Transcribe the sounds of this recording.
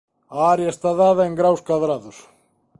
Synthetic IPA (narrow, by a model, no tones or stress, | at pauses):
aɾjast̪aðaːðaɛŋɡɾawskvaðɾaðuɾ